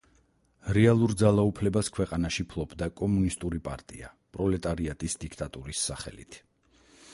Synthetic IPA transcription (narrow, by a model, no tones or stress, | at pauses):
ɾɛalˠuɾd̪zalˠaupʰlɛbaskʰwɛqʼanaʃipʰlˠɔbʰd̪akʼɔmunist̪ʼuɾipʼa̰ɾt̪ʼḭa̰ | pʼɾɔlɛt̪ʼaɾiat̪ʼisd̪ikʰt̪ʼat̪ʼuɾisːaχɛ̰lḭt̪ʰ